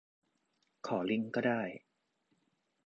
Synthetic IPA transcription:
kʰɔː˩˦li˦˥˩ŋkɔː˥˩daː˥˩j

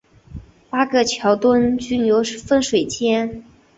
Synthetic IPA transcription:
pa˥ɡə˧t͡ɕʰjɑ˧˥ʊt̪wə˥nt͡ɕy˥njo˧˥ʊʂfə˥nʂwe˨˩ɪt͡ɕʰjɛ˥n

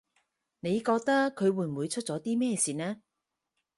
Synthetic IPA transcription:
ne˨˧jkɔː˧k̚t̪ɐ˥kʰːɵ˨˧ɥwuː˨˧jm̩˨wuː˨˧jt͡ʃʰɵ˥t̚t͡sɔː˨˥t̪iː˥mɛː˥˧siː˨nɛː˥

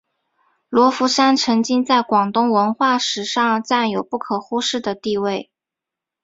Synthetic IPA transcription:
lwɔ˧˥fu˧˥ʂa˥nt͡sʰɤ˧˥ŋt͡ɕi˥ŋt͡sa˥˩ɪkwɑ˨˩ŋt̪ʊ˥ŋwə˧˥nxwa˥˩ʂɻ̩˧˥ʂɑ˥˧ŋt͡sa˥˩njo˨˩ʊpu˥˩kʰɤ˨˩xu˥ʂɻ̩˥˩d̪ə˩t̪i˥˧we˥˩ɪ

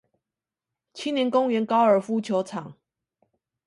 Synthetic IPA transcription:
t͡ɕʰi˥njɛ˨˦nkʊ˦ŋɥɛ˨˧˦nkɑ˥˦ʊə˞˨˩fu˦t͡ɕʰjo˨˧˦ʊt͡sʰɑ˨˩˦ŋ

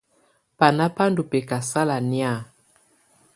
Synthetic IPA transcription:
pa˨na˦pa˦ndu˨pe˨ka˨sa˦la˨ni˦a˦˨

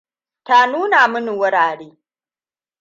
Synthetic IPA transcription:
ta˦nuː˦na˨mʊ˦ni˨wʊ˦ɽaː˨ɽeː˦

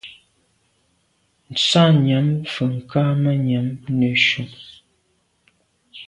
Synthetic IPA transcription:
n̩˨t͡sa˦ɲɛ˨˦mfə˨ŋ̩˨ka˦mə˦ɲɛ˨˦mnə˨ʃu˨ŋ

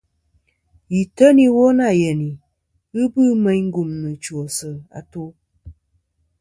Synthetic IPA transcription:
ji˨tə˦ni˦wo˦na˦˨jɛ˨ni˨ | ɨ˦bɨ˦mɛ˦ɲŋ̩˦ɡu˨mnɨ˨t͡ʃo˨sə˨a̰˨to˦

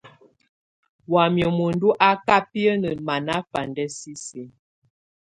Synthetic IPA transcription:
wa˨mjɔ˨mo˨ndu˦ʔa˦ka˦pi˦ə˦nə˨ma˨na˦fa˨ndɛ˦si˦si˨˦

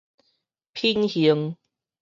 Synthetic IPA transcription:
pʰi˦˧nhi˨˦əŋ

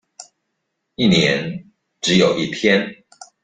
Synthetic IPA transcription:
i˥˨njɛ˧˦n | ʈ͡ʂɻ̩˨˦jo˨˩ʊʔi˥˨pʰjɛ˦n

